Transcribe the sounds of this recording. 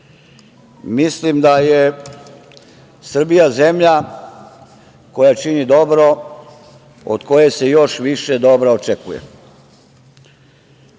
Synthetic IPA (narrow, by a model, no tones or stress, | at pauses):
mislimd̪aje | sr̩bijaze̞mʎa | ko̞jat͡ʃinid̪o̞bɾo̞ | o̰d̪ko̞je̞sejo̞ʃʋiʃe̞d̪obɾoot͡ʃekujḛ